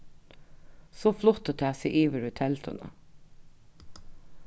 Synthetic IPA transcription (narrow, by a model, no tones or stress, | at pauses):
soːflɔt̪ət̪ʰæːsiʔiːʋəɹʉt̪ʰɛlt̪ʰɔ̰nə̰